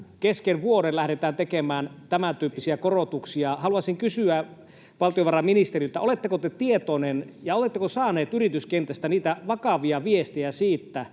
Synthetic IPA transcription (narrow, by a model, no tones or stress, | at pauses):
keskeʋʋuoɾellæhɾet̪æːnt̪ekemæːnt̪æmænt̪yːpːisiækorot̪uksiɑhɑluɑsiŋkysyæ | ʋɑlt̪ijoʋɑrɑminist̪erilt̪æolet̪ːekot̪et̪iet̪onenjɑot̪et̪ːekosɑːneːt̪yrit̪yskent̪æst̪æniːt̪æʋɑkɑʋiɑʋiest̪ijæsiːt̪ːæ